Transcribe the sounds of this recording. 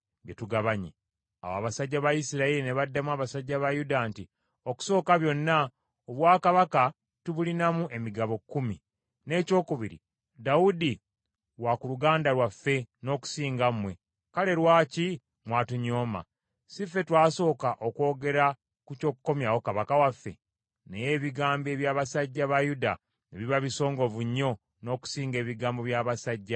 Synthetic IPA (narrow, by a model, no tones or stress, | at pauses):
ɡetuɡaβaɲḭ | a̰woa̰βasaɟːaβajisiɾaiɾine̞βadːamwaːβasaɟːaβajudanti | o̞ku̥so̞ːkaβjo̞nːa | oβwaːkaβaka | tuβulinamuʔe̞miɡaβo̞kːumi | ne̞ːco̞ːkuβiɾḭ | daudi | wakuluɡaːndaɾwafːe̞no̞ːku̥siːŋɡamwe̞ | kale̞ɾwaːci | mwatuɲo̞ːma̰ | sifːe̞twaːso̞ːkaʔokwo̞ːɡe̞ɾa | kuco̞ːkukːo̞mjawo̞kaβakawafːe̞̰ | nejeːβiɡaːmbe̞ːβjaːβasaɟːaβajuda | neβiβaβiso̞ːŋɡo̞vuɲːo̞ | no̞ːku̥siːŋɡe̞ːβiɡaːmbo̞βjaːβasaɟːa